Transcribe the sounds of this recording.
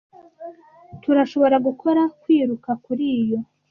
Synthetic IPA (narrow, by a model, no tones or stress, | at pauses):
tuɾaʃo̞βo̞ɾaɡukʰo̞ɾakwiːɾukakuɾiːjo̞